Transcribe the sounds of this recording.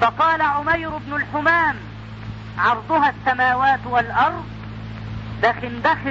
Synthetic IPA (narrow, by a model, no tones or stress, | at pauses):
fɑqɑːlaʕʊmajɾʊbnʊlħʊmaːm | ʕɑɾˤd̪ˤʊɦasːamaːwaːt̪walʔɑɾˤd̪̚ˤ | d̪axɪnd̪ax